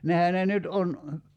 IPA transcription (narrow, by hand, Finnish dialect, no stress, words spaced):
nehæ ne nyt on